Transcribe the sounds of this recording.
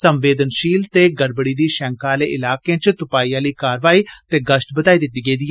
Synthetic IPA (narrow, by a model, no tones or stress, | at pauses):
səmʋeːd̪ənʃiːlt̪eːɡəɾbəɽiːd̪iːʃɛ̃ːŋkaːleːʔɪlaːkeãːt͡ʃt̪ʊpaːiːãːliːkaːɾʋaːiːt̪eːɡəʃʈbəd̪aːiːd̪ɪt̪ːiːɡəiːd̪i